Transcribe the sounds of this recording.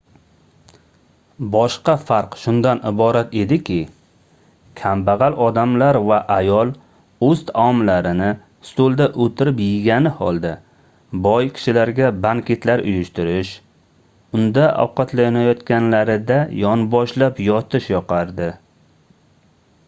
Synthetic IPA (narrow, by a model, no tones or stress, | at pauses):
bɒʃqɑfaɾqʃʊnd̪anɪbɒɾat̪e̞d̪ɪkʲʰɪ | kʲʰambaʁalɒd̪amlaɾvaʔajɒlˠ | ɵzt̪ʰaɒmlaɾɪnɪ | st̪olˠd̪aʔot̪ʰɪɾɪpjɪɡʲanɪhɒ̰lˠd̪a | bɒjkʲʰɪ̥ʃɪlaɾɡʲabaŋkʲʰet̪laɾʊjʊʃt̪ʊɾɪʃ | ʊnd̪aʔa̰wqɑt̪ʰlajɒnajɒt̪kʲanlaɾɪd̪ajɒnbɒʃlapjɒt̪ʰɪʃjɒqɑɾd̪ɪ